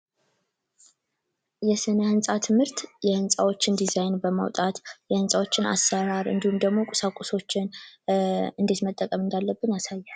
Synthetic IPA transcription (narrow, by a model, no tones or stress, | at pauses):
jɛsɨnahɨnsʼat̪ʰɨmhɨɾt̪jɛhɨnsʼawo̞t͡ʃːɪnd̪izajnbəma̰wt̪ʼat̪jɛhɨnsʼawo̞t͡ʃːɪna̰sːəɾaɾɨ̰nd̪ihumd̪əɡmo̞kʼu̥sakʷʼuso̞t͡ʃːɪn | ɨnd̪e̞t̪mət̪ʼːəkʼəmɨnd̪alːəbːɨnjasajːa